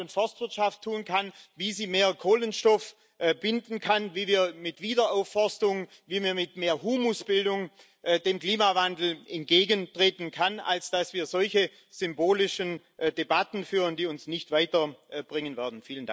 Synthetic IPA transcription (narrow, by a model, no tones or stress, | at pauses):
ʊntfɔstv̥ɪɐtʃaftʰːuːnkʰanviːziːmeːɐkʰoːlənʃtɔf | bɪndn̩kʰanviːviːɐmɪtv̥iːdɐʔaʊfɔstʊŋ | viːmiːɐmɪtmeːɐɦuːmʊsb̥ɪldʊŋ | ʔd̥eːmkl̥iːmavandl̩ʔɛnt̚ɡ̥eːɡəntʁ̥eːtn̩kʰana̰lsd̥asv̥iːɐzɔlçə | z̥ʏmboːlɪʃən | d̥ebatn̩fyːʁəndiːʊnsnɪçtv̥aɪtɐb̥ʁɪŋənvɛːɐdn̩fiːləndaŋ